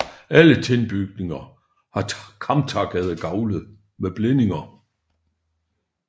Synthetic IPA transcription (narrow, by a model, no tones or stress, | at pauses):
ʔælət͡sʰenb̥yɡ̥ne̝ŋɐ | hɑ̈kʰɑ̈mt͡sʰɑ̈ɡ̥ɛð̞̩ˠɡ̥ɑ̈ʊləð̩ˠ | meb̥lene̝ŋɐ